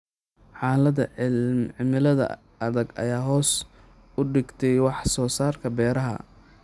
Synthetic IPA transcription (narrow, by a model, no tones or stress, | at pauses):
ħɑːlɐðɐʕɪlmʕɪmɪlɐðɐ̰ | ɐðɐɡɐ̰jaːɦɔːs | ʊɖɪɡt̪ʰɛjwɑħsɔːsaːrkʰɐbɛːɾɐɦɐ̰